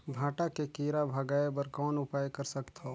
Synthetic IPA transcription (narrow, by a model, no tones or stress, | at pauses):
bʱaːʈakekiːɾabʱəɡaːebəɾkɔːnʊpaːjkəɾsəkt̪ɦoː